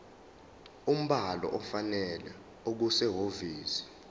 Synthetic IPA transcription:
um̩ɓalɔ̰ʔɔfanɛlɛ | ok̬usɛɦoviːsi̥

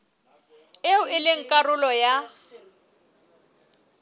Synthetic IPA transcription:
eʊʔɪlɪŋ̩kʼarʊlɔja

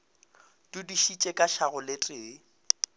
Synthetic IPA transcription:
d̥udiʃit͡ʃʼɛkʼaʃaɣʊletʼeː

